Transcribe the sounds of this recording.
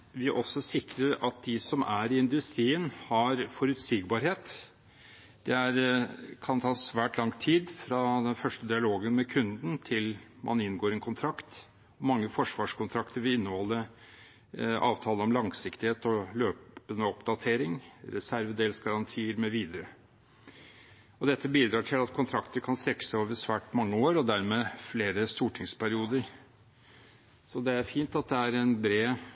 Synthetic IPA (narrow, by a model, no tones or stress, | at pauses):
ʋɪʔɔsːɔsɪkɾəɾɑt̪̚d̪ɪsɔmʔæɾɪɪnd̪ʉst̪ɾiːənhɑɾfɔɾʉt̪siːɡbɑːɾheːt̪ | d̪̥ɛæɾkʰɑnt̪ʰɑːsʋæːʈlɑŋt̪ʰiːd̪fɾɑd̪ɛnfœʂʈəd̪ɪɑloːɡənmɛkʰʉnd̪n̩t̪ʰɪlmʔɑ̰nɪnːɡoːɾɛnkʰʊnt̪ʰɾɑkt̪ | ɔmɑŋːəfɔʂʋɑːʂkʰʊnt̪ʰɾɑkt̪əɾʋɪɪnːəhɔlːəɾ | ɑ̰ːʋt̪ʰɑːləɔmlɑŋsɪkt̪ɪheːt̪ɔløːpənəɔpd̪ɑt̪ʰeːɾɪŋɾɛsæɾʋəd̪eːlsɡɑɾɑnt̪ʰiːəɾmɛʋiːd̪əɾə | ɔd̪ɛt̪ʰːəbiːd̪ɾɑːʈʰɪlɑt̪kʰʊnt̪ʰɾɑkt̪əɾkʰɑnst̪ɾɛkːə̥sæɪoːʋəɾsʋæːʈmɑŋːəoːɾɔd̪æɾmeːfleːɾəst̪uːʈʰɪŋspʰæɾɪuːd̪əɾ | sɔd̪ɛæɾfiːnt̪ɑt̪̚d̪ɛæɾɛnbɾeː